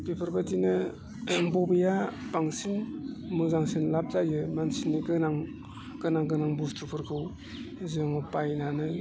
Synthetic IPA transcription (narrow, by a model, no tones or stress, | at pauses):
pipʰaɾbatinɯ | bɔbɯjapaŋsinmuzaŋsinlap̚zajɯmansinːiɡɯnaŋ | ɡ̥ɯnaŋɡɯnaŋbustʰupʰɯɾkʰɯw | zɯŋɔpajnanɯ